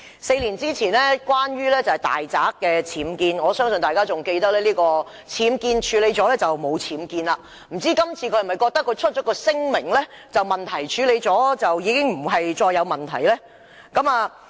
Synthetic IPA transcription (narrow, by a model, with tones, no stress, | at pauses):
se˧jliː˨˩nt͡siː˥t͡sʰiː˨˩nlɛː˥kwaː˥nɥyː˥lɛː˥t͡sɐ˨whɐ˨˩jt̪a̰ː˨˩jt͡saː˨˥kːɛː˧t͡sʰiː˨˥mkiː˧nŋɔː˨˧sœː˥ŋsɵ˨nt̪aː˨jkaː˥t͡sʊ˨ŋke˧jt̪ɐ˥k̚lɛː˥liː˥kɔː˧ | t͡sʰiː˨˧mkiː˧nt͡ʃʰyː˨˧le˨˧jt͡sɔː˨˥lɛː˥t͡sɐ˨wmo˨˧wt͡sʰiː˨˥mkiː˧nlaː˧ | m̩˨˩t͡siː˥kɐ˥mt͡sʰiː˧kʰɵ˧˥jmɐ˨˩jkɔː˧k̚t̪ɐ˥kʰːjt͡ʃʰɵ˥t̚t͡ʃɔː˨˥kɔː˧sɪ˥ŋmɪ˨˩ŋlɛː˥ | t͡sɐ˨wmɐ˨nt̪ʰɐ˨˩jt͡ʃʰyː˨˧le˨˧jt͡sɔː˨˥t͡sɐ˨wjiː˨˧kɪ˥ŋm̩˨˩ɦɐ˨jt͡sɔː˧jːɐ˨˧wmɐ˨˩nt̪ʰɐ˨˩jlɛː˥ | kɐ˨˥maː˨˧